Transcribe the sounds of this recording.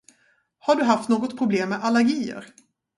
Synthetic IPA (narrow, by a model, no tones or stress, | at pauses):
haɖɵɦaft̪noːɡɔt̪pʰɾʊbleːmːeʔalːæɾɡiːə̰ɾ